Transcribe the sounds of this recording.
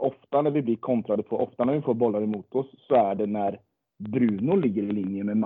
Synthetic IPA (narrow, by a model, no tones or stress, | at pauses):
ʔɔft̪anæɾvɪblɪɾkʰɔnt̪ɾad̪əpʰɔʔɔft̪anæɾvɪfoːɾbɔlːaɾəmuːt̪ɔsːɔæɖɛnæɾ | bɾʉːnʊlɪɡːəɾɪlɪnjəmɛm